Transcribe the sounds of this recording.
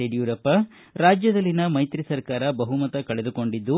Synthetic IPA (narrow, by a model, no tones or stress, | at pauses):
eɖijuːɾɐpːɐ | ɾaːd͡ʒjɐd̪ɐlːinɐmɐjt̪ɾisɐɾkaːɾɐbɐɦumɐt̪ɐkɐɭed̪uko̞ɳɖid̪ːu